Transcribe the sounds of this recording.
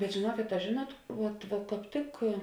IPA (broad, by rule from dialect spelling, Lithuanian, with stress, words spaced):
bʲɛt ʒʲeːˈnuɔkʲeːt ɐ ˈʒʲeːˌnuɔt ˈʋuɔt ʋɐ kɑːp ˈtʲɪk